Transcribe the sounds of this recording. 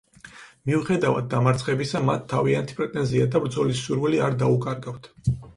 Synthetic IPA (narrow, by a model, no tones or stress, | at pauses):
miuχɛd̪avad̪̚ːamaɾt̪sʰχɛbisamat̪ʰːaviant̪ʰi̥pʼɾɛt̪ʼɛnziad̪abɾd̪zɔlisːuɾwɛliaɾd̪aukʼaɾɡaft̪ʰ